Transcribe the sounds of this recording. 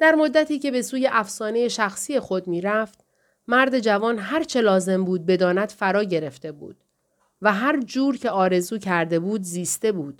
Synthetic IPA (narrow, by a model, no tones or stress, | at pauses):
d̪̥æɾmo̞d̪ːæt̪ʰiːce̞be̞suːje̞ʔæfsɒːne̞je̞ʃæxsiːje̞xo̞d̪miːɾæft̪ | mæɾd̪e̞d͡ʒævɒːnɦæɾt͡ʃʰe̞lɒːze̞mbuːd̪̚be̞d̪ɒːnæd̪̥fæɾɒːɟe̞ɾe̞ft̪e̞bṵːd̪̥ | væɦæɾd͡ʒuːɾcʰe̞ɒːɾe̞zuːcʰæɾd̪e̞buːd̪ziːst̪e̞buːd̪̥